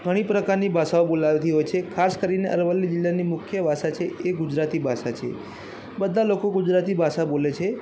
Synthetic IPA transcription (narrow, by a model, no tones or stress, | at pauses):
ɡʱəɽ̃ipɾəkaɾnibʱasaobolaʋt̪iɦojt͡ʃʰekʰaskəɾineʔəɾʋəlːid͡ʒɪlːanimʊkʰjəʋʱaʃat͡ʃʰeeɡʊd͡ʒɾat̪ibʱaʃat͡ʃʰḛ | bəd̪ʱːalokoɡʊd͡ʒɾat̪ibʱaʃabolet͡ʃʰe